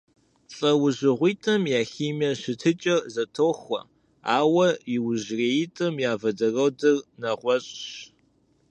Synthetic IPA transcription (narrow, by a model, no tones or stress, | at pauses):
ɬʼɐwʊʑɪʁʷiːtʼɐmjaːxiːmɐɕɪtʰɨt͡ʃʼɐrzɐtʰoːxʷɐ̰ | aːwɐjɪwʊʑreːjitʼɐmjaːvɐdɐrɐwdɨrnɐʁʷɔɕʼɕ